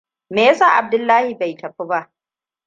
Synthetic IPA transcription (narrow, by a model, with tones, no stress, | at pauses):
meː˨ja˦saː˦˨ʔa˨b̚dʊ˦lːaː˦hi˨ba˨jtɐ˨ɸi˦ba˦ʔ